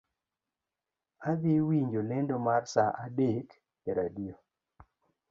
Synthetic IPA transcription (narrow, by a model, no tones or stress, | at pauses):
aðiwiɲd͡ʒolɛndɔmarsaʔadek | eɾadijo